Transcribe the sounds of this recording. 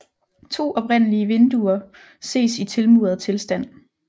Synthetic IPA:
t͡sʰo̝̰ːʔɒ̽pʁen̰əliəʋe̝nd̥uɐ | se̝̰ːsit͡sʰe̝lmuð̰ˠɐð̩ˠt͡sʰe̝lsd̥æn̰

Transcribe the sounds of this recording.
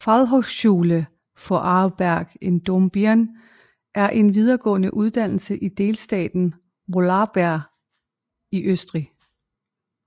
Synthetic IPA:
fɑðˠɦɒʊsɕuːlə | fɒ̽ʔɑb̥æɐ̰ɡ̥e̝nd̥omb̥æɐn | ʔæɐʔe̝nʋið̞ˠɐɡ̥ɔ̰̽ːnəʔuð̞ˠd̥æn̰l̩səʔid̥e̝ːlsd̥ɛ̰ːd̥n̩ | ʋo̝lɑ̈b̥æɐ̰ | iʔøsd̥ʁi

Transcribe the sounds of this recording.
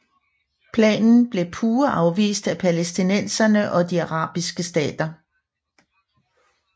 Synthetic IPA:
pʰlɛ̰ːnn̩b̥le̝pʰuːɐʔɑ̈ʊʋḭːsd̥æpʰælesd̥inen̰sɐnəʔɒ̽d̥iɑʁɑ̈ːb̥isɡ̥əsd̥ɛ̰ːd̥ɐ

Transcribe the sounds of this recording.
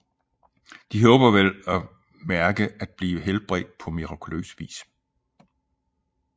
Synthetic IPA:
d̥iɦɔ̽ːb̥ɐʋelɒ | mæɐɡ̥əæd̥̚b̥liːʋəɦelb̥ʁɛ̰ːd̥̚pʰɒ̽miʁɑ̈kʰulø̰ːsʋḭːs

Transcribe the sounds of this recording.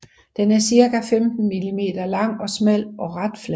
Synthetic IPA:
d̥enæɐsiɐkæfemd̥n̩milime̝̰ːd̥ɐlɑ̈ŋ̰ɒ̽smel̰ɒ̽ʁɑd̥flæ

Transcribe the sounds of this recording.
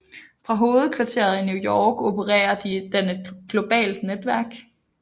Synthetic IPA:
fʁɑ̈ɦo̝ːð̩ˠkʰʋɑ̈t͡sʰe̝̰ːɐð̩ˠinjujɒːɡ̥o̝pʰəʁɛ̰ːɐd̥id̥enəɡ̥lo̝b̥ɛ̰ːld̥ned̥ʋæɐɡ̥

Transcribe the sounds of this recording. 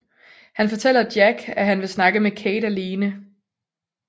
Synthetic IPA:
hænfɒ̽t͡sʰel̰ɐd̥jæɡ̥æɦænʋe̝snɑ̈ɡ̥əmekʰeːɾæliːnə

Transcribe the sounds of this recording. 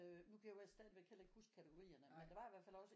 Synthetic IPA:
ønukʰæjaʋæsd̥æðˠʋekʰel̰e̝ɡ̥huskʰæt͡sʰəɡ̥o̝ʁḭːɐnəmmend̥eʋɑ̈iʋæɐfæl̰ɒ̽sə

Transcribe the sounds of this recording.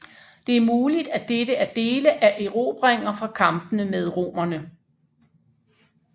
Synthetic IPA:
d̥e̝æɐmuːlid̥æd̥edəæd̥e̝ːləʔæʔe̝ʁo̝̰ːb̥ʁeŋ̰ɐfʁɑ̈kʰɑ̈mb̥ənəmeð̞ˠʁo̝̰ːmɐnə

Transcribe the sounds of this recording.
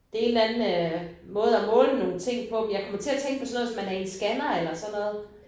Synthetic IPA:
d̥e̝æe̝nlænn̩ømɔ̽ːð̞̩ˠæmɔ̽ːləno̝ːn̩t͡sʰe̝ŋ̰pʰɒ̽menjɑ̈ɪkʰɒ̽mɐt͡sʰe̝æɐt͡sʰeŋɡ̥pʰɒ̽sɒnɔːð̩ˠsɒ̽mænæɐe̝nsɡ̥ænɐelɐsɒ̽nːɔ̽ːð̞ˠ

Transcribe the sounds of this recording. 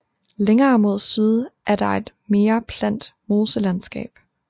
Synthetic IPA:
leŋɐːmo̝ð̞̰ˠsiːð̞ˠʔæɐd̥ɑ̈e̝d̥ | me̝ːɐpʰlæn̰d̥mo̝ːsəlænsɡ̥ɛ̰ːb̥

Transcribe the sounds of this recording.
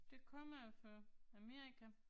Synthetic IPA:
d̥e̝kʰɒ̽m̰ɐofɒæmeːikʰæ

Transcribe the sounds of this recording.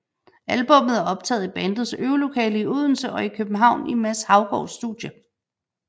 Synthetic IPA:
ælb̥ɔ̽m̰ð̩ˠæɒ̽b̥̚t͡sʰɛ̰ːð̩ˠib̥ænd̥ð̩ˠsøːʊlo̝kʰɛ̰ːləiuð̞̰ˠn̩səʔɒ̽ikʰøb̥n̩ɦɑ̈ʊ̰nimæshɑ̈ʊɡ̥ɒʊsːd̥uðˠjə

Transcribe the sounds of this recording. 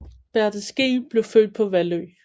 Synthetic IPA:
b̥æɐd̥əsɡ̥eb̥le̝ʊfø̰ːd̥̚pʰɒ̽ʋæløː

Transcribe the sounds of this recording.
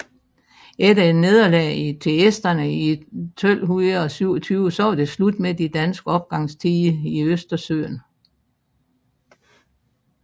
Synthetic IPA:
ed̥ɐe̝d̥ne̝ð̞ˠɐlɛit͡sʰe̝esd̥ɐnəit͡sʰɔl̰ɦuð̩ˠɒ̽syʊ̰ɒt͡sʰyːʊsɒd̥e̝slud̥med̥id̥ænsɡ̥əɒ̽b̥̚ɡ̥ɑ̈ŋ̰st͡sʰiːəiøsd̥ɐsø̰ːn

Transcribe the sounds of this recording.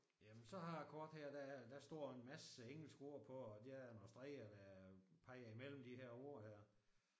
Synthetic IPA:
jæmənsɒ̽hɑ̈kʰɒːd̥heɐ̰d̥æd̥æsd̥ɒ̰ːe̝nmæsəeŋ̰l̩sɡ̥o̝ɐ̰pʰɒ̽ːd̥eænɒsd̥ʁɛɪɒd̥æpʰɑ̈ɪ̰ɐimel̰m̩d̥iɦeɐ̰o̝ɐ̰hæɐ̰

